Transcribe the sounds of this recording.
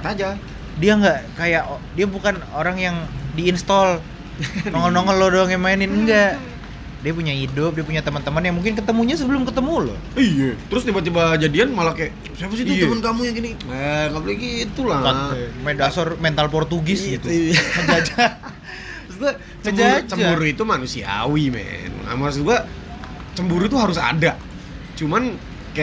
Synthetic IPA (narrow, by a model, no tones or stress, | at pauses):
t̪ad͡ʒa | diaŋɡaʔkajaʔdiabukanoɾaŋjaŋdiːnst̪ɔl | nɔŋəlnoŋəllodoŋamainɪnəŋɡaʔ | diapuɲaidʊp̚diapuɲat̪əmənt̪əmənjaŋmuŋkɪnk̬ət̪əmuɲasəbəlʊmkət̪əmulo̰ | ijat̪əɾʊsdibat͡ʃəbad͡ʒadianmalakajaʔ | sajabəs̬it̪uəmənkamujaŋɡiniɛŋapəlikit̪ulaamedasarmɛnt̪alpɔrt̪uɡɪsɡit̪ukəd͡ʒad͡ʒa | sɡua | t͡ʃəmd͡ʒauɾd͡ʒt͡ʃəmabuɾuit̪umanusia̰wimɛ̰nŋa̰mas̬d̪ua | t͡ʃəmbuɾuit̪uɦaɾʊsa̰da | t͡ʃuman | kajaʔ